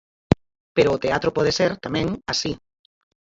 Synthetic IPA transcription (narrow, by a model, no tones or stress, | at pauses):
peɾʊːt̪eat̪ɾopɔðeseɾt̪amɛ̃ŋasi